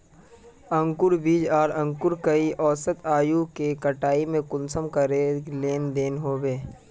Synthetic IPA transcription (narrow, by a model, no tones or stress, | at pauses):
ə̃ŋkʊɾbiːd͡ʒaːɾɐ̃ŋkʊɾkɐiʔɔːsət̪aːjukekɐʈaːimẽkʊnsəmkɐɾeleːnd̪eːnɦoːbeː